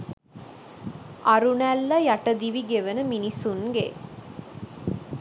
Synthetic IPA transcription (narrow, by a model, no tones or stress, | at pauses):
ʔɐɾunælːɐjɐʈəd̪iʋiɡeʋənəminisunɡḛ